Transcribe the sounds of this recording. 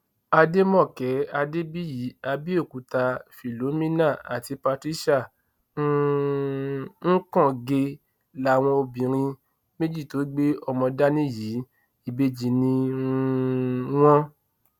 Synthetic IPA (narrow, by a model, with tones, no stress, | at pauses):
a˧de˦mɔ̃˦˨kɛ˨˦a˧de˦bi˦ji˨˦a˧bi˦o˦˨ku˨˦ta˧fi˨lo˨˦mĩ˦nã˦˨a˨ti˧pa˧tɾi˦ʃa˦˨ | nu˦ | ŋ̩˦kɔ̃˦˨ɡe˧ | la˨˦˨w̃ɔ̃˧o˧bĩ˨ɾ̃ĩ˧ | me˦d͡ʒi˦˨to˨˦i˦ɡ͡be˦ɔ˧mɔ̃˧da˦nĩ˦˨ji˨˦ | i˦˨be˧d͡ʒi˨nĩ˧ | w̃ɔ̃˦